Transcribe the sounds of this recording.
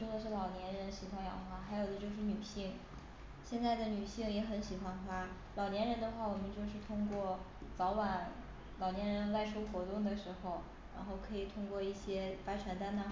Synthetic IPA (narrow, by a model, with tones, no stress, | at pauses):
jo˥ʊd̪ə˨˩ʂ̬ɻ̩˥˩lɑ˨˩ʊnjɛ˧˥nɻə˧˥nɕi˧˥kxwa˥njɑ̰˧˥˩ŋ˧xwa˥˩xa˧˥ɪjo˨˩ʊd̪ə˦t͡ɕjo˥˧ʊʂ̬ɻ̩˥˩ny˨˩ɕi˥˩ŋ | ɕjɛ˥˧nt͡sa˥˩ɪd̪ə˩ny˨˩ɕi˥˩ŋjɛ˧˥xə˧˥nɕi˧˥xwa˥nxa˥ | lɑ˨˩ʊnjɛ˧˥nɻə˧˥nd̪ə˧xwa˥˩wɔ˨˩mə˧˦nt͡ɕjo˥˧ʊʂ̬ɻ̩˥˧t̪ʰʊ˥ŋkwɔ˥˩ | t͡sɑ˧˥ʊwa˨˧˩n | lɑ˨˩ʊnjɛ˧˥nɻə˧˥nt͡sa˥˧ɪʈ͡ʂʰu˥ʊxwɔ˧˥t̪ʊ˥˩ŋd̪ə˩ʂɻ̩˧˥xo˧ʊ | ɻa̰˧˥nxo˥˩ʊkʰɤ˧˥i˨˩t̪ʰʊ˥ŋkwɔ˥˧i˥˩ɕjɛ˥pa˥ʈ͡ʂʰɛ˧˥nt̪a˥nnə˧